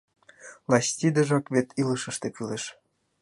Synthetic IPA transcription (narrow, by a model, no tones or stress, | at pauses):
lɑstʲid̪ə̆ʒɑkβet̪ʰiləʃə̆ʃt̪ekyleʃ